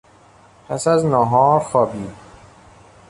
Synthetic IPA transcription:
pʰæsæznɒːɦɒːɾxɒːbiː

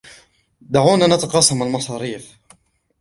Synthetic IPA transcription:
d̪aʕuːnanat̪ɑqɑːsˤɑmalmɑsˤɑːɾiːf

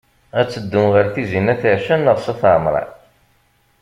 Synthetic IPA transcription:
æt͡sːəd̪ːʊmʁəɾθizinæθəʕʃænːəʁsɑθʕmɾˤɑ̰

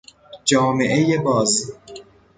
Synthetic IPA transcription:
d͡ʒɒːmeʔejebɒːz

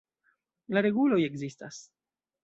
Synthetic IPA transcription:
laɾe̞ɡulo̞je̞ɡzista̰s

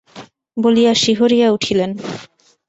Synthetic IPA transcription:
bolijaʃiɦoɾijauʈʰilen

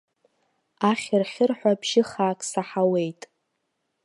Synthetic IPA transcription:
aχʲɪrχʲɪrħʷᶣabʒɪχaːkʼsaħawe̞jtʼ

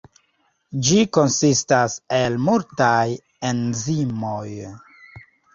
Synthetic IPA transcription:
d͡ʒiko̞nsistase̞lmultaj | enzimo̞j

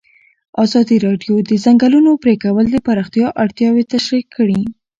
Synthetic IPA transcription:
ɑzɑd̪iɾɑɖjod̪əzaŋɡalunopɾekawəld̪əpaɾɑxt̪jɑʔaɽt̪jɑwet̪aʃɾikʰːəɽi

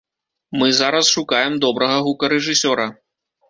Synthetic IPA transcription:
mɨzaɾɐsʂukajɛmd̪ɔbɾɐɣɐɣukɐɾɛʐɨsʲɔɾɐ

